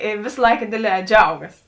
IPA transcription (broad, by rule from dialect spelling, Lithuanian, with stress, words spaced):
ɪ ˈʋʲeːs ˈlˠɐɪkɐ ˈdʲeːdʲˌlʲɛː ˈd͡ʒʲɛʊɡɐs